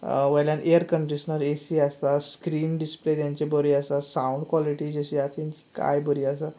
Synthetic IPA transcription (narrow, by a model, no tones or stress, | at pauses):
ʋəjljanʔeəɾkəɳɖiɕənəɾesiast̪askɾiːnɖisplet̪jaɲt͡ɕebəɾiːasasãuɳɖkʋɔliʈiːd͡ʑəɕiat̪ʰiɲt͡ɕi̥ka̰jbəɾiːas̬a